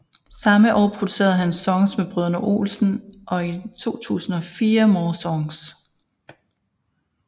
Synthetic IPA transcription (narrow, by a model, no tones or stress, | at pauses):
sɑ̈məʔɒ̰ːpʰʁo̝d̥u̥se̝̰ːɐð̩ˠɦænsɒ̽ŋsmeb̥ʁøð̞ˠɐnəʔo̝̰ːlsn̩ʔɒ̽it͡sʰo̝̰ːt͡sʰṵːsn̩ɒ̽fiːɐmɒːsɒ̽ŋs